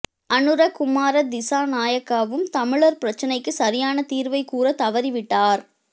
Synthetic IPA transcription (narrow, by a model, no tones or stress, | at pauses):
ʔɐnɯɾɐkʊmaːɾɐd̪ɪsaːnaːjɐkːaːʋɯmt̪ɐmɪɭɐɾpɪɾɐt͡ʃːɐnɐɪkːɯsɐɾɪjaːnɐt̪iːɾʋɐɪkuːɾɐt̪ɐʋɐɾiʋɪʈːaːɾ